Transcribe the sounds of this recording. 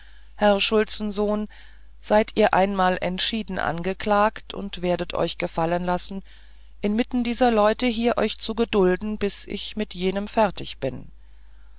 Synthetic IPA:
hɛʁʃʊlt͡sn̩zoːn | z̥aɪtʰiːɐʔa̰ɪnmaːlʔɛ̰ntʃiːdn̩ʔa̰nɡəklaːktʰʊ̰ntv̥eːɐdətʰɔ̰ʏçɡ̥əfalənlasn̩ | ʔɪnmɪtn̩diːzɐlɔʏtəɦiːɐʔɔʏçt͡suɡədʊldn̩bɪsʔɪ̰çmɪtʰjeːnəmfɛɐtʰɪ̰çb̥ɪn

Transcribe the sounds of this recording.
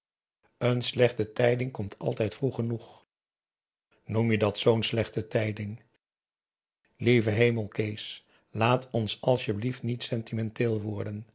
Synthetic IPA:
ənslɛχtətɛjdɪŋkɔmtʰɑ̰lˠtɛjtfruχənuχ | numjədɑtsownslɛχtətɛjdɪŋ | lejvəɦejməlˠkejs | laːtʰɔnsɑlˠsjəbliftnitsɛntimɛntɪːlˠʋɔɹdən

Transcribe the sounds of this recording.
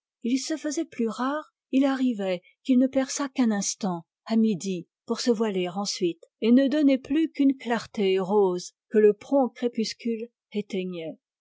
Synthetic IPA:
ilsəfəzɛplyʁaʁ | ilaʁivɛ | kilnəpɛʁsakɛ̃nɛ̃st̪ɑ̃ | amid̪i | puʁsəvwaleʁɑ̃sɥit̪enəd̪ɔnɛplykynklaʁt̪eʁozkələpχɔ̃kχepyskʲyl | et̪ɛɲɛ

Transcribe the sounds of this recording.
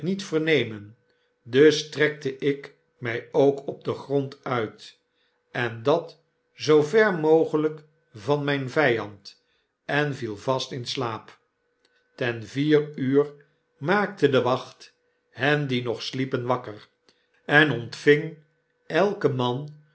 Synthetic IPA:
nitfərɹnejmən | dɵstrɛk̚təʔɪk | mɛjowkɔb̚dəχrɔntœɥt | ɛndɑt | zowvɛrmowχələk | vɑnmɛjnvɛjɑnt | ɛnvilˠvɑstɪnslaːp | tɛnviːryːr | maːk̚tədəʋɑχt | hɛndinɔχslipənʋɑkər | ɛnɔntfɪŋ | ɛlˠkəmɑn

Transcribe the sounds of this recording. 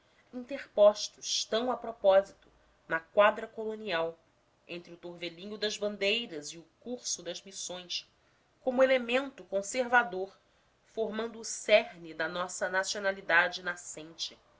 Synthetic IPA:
ĩnt̪eχpɔʃt̪ʊst̪ɐ̃w̃ɐpɾopɔzit̪ʊ̥ | nɐkwad̪ɾɐkoloniaw | ẽnt̪ɾɪʊt̪oɾvelĩɲʊd̪ɐzbɐ̃nd̪ejɾɐziʊkuɾsʊd̪ɐzmisõj̃s | kõmʊelemẽnt̪ʊkõseɾvad̪oɾ | foɾmɐ̃nd̪ʊːsɛɦnid̪ɐnɔsɐnasionalid̪ad͡ʒɪnasẽnt͡ʃɪ

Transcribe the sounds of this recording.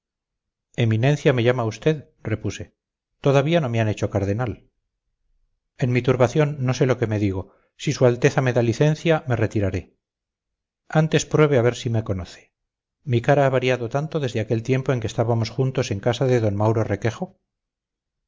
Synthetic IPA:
e̞minẽ̞nθjame̞ʝamaust̪e̞ð | re̞puse̞ | t̪o̞ðaβiano̞meane̞t͡ʃo̞kaɾð̞e̞nal | e̞nmit̪uɾβaθjo̞nːose̞lo̞ke̞me̞ðiɣ̞o̞ | sisualt̪e̞θame̞ðaliθẽ̞nθjame̞re̞t̪iɾaɾe̞ | ant̪e̞spɾwe̞β̞eaβ̞e̞ɾsime̞ko̞noθe̥ | mikaɾaaβaɾiaðo̞t̪ant̪o̞ðe̞zðeake̞lt̪je̞mpo̞e̞ŋkest̪aβamo̞sxunt̪o̞se̞ŋkasaðe̞ðo̞nmawɾore̞ke̞χo̞

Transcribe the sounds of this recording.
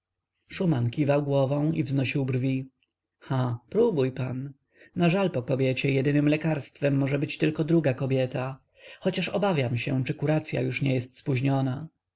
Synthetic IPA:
ʂumankʲivawɡwɔvɔ̃w̃ivznɔɕiwbrvʲi | xapɾubujpan | naʐalpɔkɔbʲjɛt͡ɕɛjɛd̪ɘnɘmlɛkaɾst̪fɛmːɔʐɛbɘt͡ɕt̪ɘlkɔd̪ɾuɡakɔbʲjɛt̪a | xɔt͡ɕaʂɔbavʲjamɕɛt͡ʂɘkuɾat̪sʲja̰juʂɲɛjɛst̪spuʑɲɔna

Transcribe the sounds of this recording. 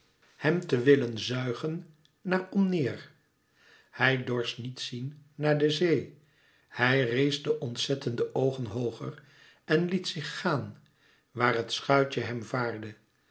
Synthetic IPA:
hɛmtəʋɪlənzœɥχənː | aːɹɔmnɪːɹ | hɛjdɔɹsnitsinːaːɹdəzej | hɛjrejzdəʔɔntsɛtəndəʔowχənɦowχə̰r | ɛnlitsɪχːaːn | ʋaːɹɦətsχœɥt͡ʃəɦɛmvaːɹdə

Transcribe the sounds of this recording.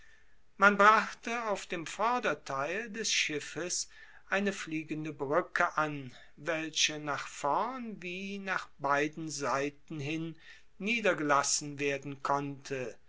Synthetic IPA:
manbʁaχtəaʊfd̥eːmfɔɐdɐtʰaɪldɛsʃɪfəs | ʔaɪnəfliːɡəndəbʁʏkʰəʔan | vɛlʃənaːχfɔɐnviːnaːχb̥aɪdn̩zaɪtn̩ɦɪnː | iːdɐɡəlasn̩veːɐdn̩kʰɔntʰə

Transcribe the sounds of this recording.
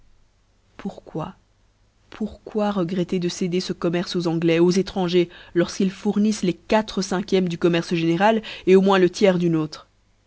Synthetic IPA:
puʁkwa | pʰuʁkwaʁəɡʁɛt̪ed̪əsed̪esəkɔmɛʁsozɑ̃ɡlɛozet̪χɑ̃ʒelɔʁskilfuʁnislekat̪χəsɛ̃kʲjɛmd̪ykɔmɛʁsʒeneʁaleomwɛ̃lət̪jɛːʁd̪ynoːt̪χ

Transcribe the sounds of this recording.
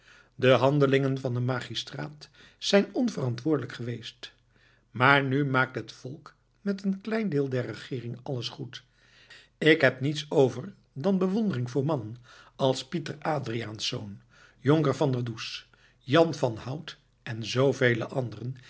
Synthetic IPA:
dəɦɑndəlɪŋənvɑndəmaːχistra̰ːt | sɛjnɔnvərɑntʋʊːɹdələkχəʋejst | maːɹnymaːk̚tɦətfɔlˠk | mɛtənklɛjndɪːlˠdɛɹəχɪːrɪŋɑləsχut | ɪkɦɛpnitsowvəɹ | dɑnbəʋɔndərɪŋvʊːɹmɑnənɑlˠspitəraːdriaːnsːo̰wn | joŋkəɹvɑndədus | jɑnvɑnhʌwt | ʔɛnzowvejlə̰ʔɑndərən

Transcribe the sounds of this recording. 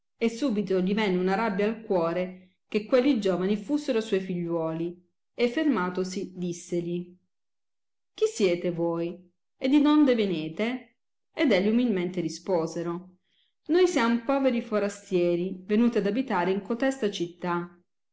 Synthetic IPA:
esːuːbit̪oʎivɛnːeunaɾabːjaːlkwɔːɾe | kekːwelːid͡ʒoːvanifusːeɾoswɔjfiʎːwɔːli | efːermaːt̪osid̪isːeʎi | k̟isːjɛːt̪evoːj | ed̪ːid̪ond̪eveneːt̪eː | d̪ɛʎːiumilment̪eɾispoːzeɾo | nojsjamopɔːveɾifoɾast̪jɛːɾivenuːt̪iad̪abit̪aːɾeiŋkot̪ɛst̪at͡ʃit̪ːa

